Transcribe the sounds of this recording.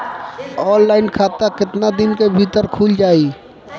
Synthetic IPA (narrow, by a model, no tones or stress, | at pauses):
ɔːnlaːɪnkʰaːt̪akɪt̪nad̪ɪnkebʱiːt̪əɾkʰuːld͡ʒaːi